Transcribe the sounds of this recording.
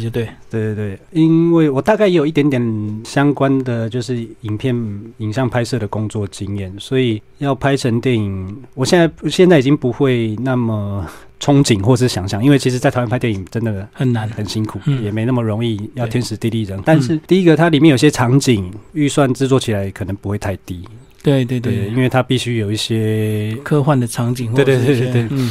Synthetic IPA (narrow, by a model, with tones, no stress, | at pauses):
t̪we˥˩˥t̪we˥˩ɪi˦˥nwe˥˩ɪwɔ˨˩t̪a˥˧ka˥˩ɪjɛ˥jo˨˩i˩t̪jɛ˧˥nt̪jɛ˧˨˦nɕjɑ˥ŋkwa˦nd̪ə˨t͡ɕjo˥˧ʊʂɻ̩˥˩i˨˩ŋpʰjɛ˥˩ni˨˩ŋjɑ˥˧ŋpʰa˥ɪsɤ˥˩ɾə˩kʊ˦˥ŋt͡swɔ˥˨˩t͡ɕi˦ŋjɛ˥˨˩nswɔ˧˥i˨˩jɑ˥˩ʊpʰa˥ɪʈ͡ʂʰə˧˦ŋt̪jɛ˥˩ni˨˩ŋwɔ˨˩ɕjɛ˥˧na˥˩ɪɕjɛ˥˧nt͡sa˥˩ɪi˨˩t͡ɕi˦ŋpu˧˦xwe˥˧ɪna˥˩mə˩ | ʈ͡ʂʰʊ˥ŋt͡ɕi˨˩ŋxwɔ˥˧˩ʂɻ̩˥˩ɕjɑ˧˥ŋɕjɑ˥˨ŋi˥nwe˥˩t͡ɕʰi˧˥ʂ̬̩˧˥t͡sa˥˩t̪ʰwa˥pʰa˥t̪jɛ˥˩˨i˨˩ŋʈ͡ʂə˦˥nd̪ə˨xə˨˩nna˧˦nxə˨˩nɕi˦ŋkʰu˨˩jɛ˨˩me˧˥ɪna˥˩mə˩ɻo˧˥˦ŋi˥˧jɑ˥˨t̪ʰɛ˥nʂɻ̩˧˥t̪i˥˧li˥˩ɻə˧˦nt̪a˥˧nʂɻ̩˥˨t̪i˥˧i˦˥ɡə˨t̪ʰa˥li˨mjɛ˥˨jo˨˩i˥˩jɛ˥ʈ͡ʂʰɑ˧˥ŋt͡ɕi˨˩ŋy˥˧swa˥˧nt͡sɻ̩˥˧t͡swɔ˥˩t͡ɕʰi˨˩la˨˦ɪkʰɤ˨˩nə˧˦ŋpu˧˦xwe˥˧ɪt̪ʰa˥˩ɪt̪i˦ | t̪we˥˩t̪we˥˧˩e˥˧˩i˥˦nwe˥˩ɪt̪ʰa˦pi˥˩ɕy˦jo˨˩ʊi˥˩ɕjɛ˦kʰɤ˥˧xwa˥˨nd̪ə˩ʈ͡ʂʰɑ˧˦ŋt͡ɕi˨˩ŋwe˥˧˩t̪we˥˧˥t̪we˥˩ɪ